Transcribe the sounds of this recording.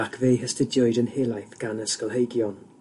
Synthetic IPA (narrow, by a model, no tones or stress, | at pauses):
akʰvejhəstɪdjɔjdənheːlajθɡ̥anəskəlˠɦejɡjɔn